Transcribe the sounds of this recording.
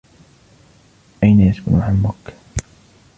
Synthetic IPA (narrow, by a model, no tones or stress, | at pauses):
ʔajnajaskʊnaʕalmʊkːḁ